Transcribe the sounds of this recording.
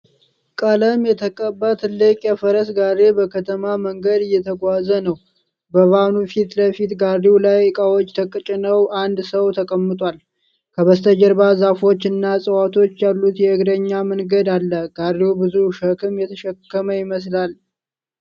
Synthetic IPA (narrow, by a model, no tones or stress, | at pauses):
kʼaləmjɛt̪ʰəkʼəbːat̪ʰɨlːɨkʼjɛfəɾəsɡaɾebəkʰət̪ʰəmaməŋɡəd̪ɨjːɛt̪ʰəɡʷazənəw | bəβanufit̪ləfit̪ɡariwlajkʼawo̞t͡ʃːt̪ʰəkʼːɨt͡ʃʼɪnəwʔand̪səwt̪ʰəkʼəmːɨt̪ʼwal | kʰəβəst̪ʰəd͡ʒəɾbazafo̞t͡ʃːɨnːasʼəwat̪ʰo̞t͡ʃːjalːut̪jɛɨɡd̪əɲːamənɡəd̪alːəɡ̥arewbɨzuʃəkʰɨmjɛt̪ʰəʃɛkːəməjɪməs̬lal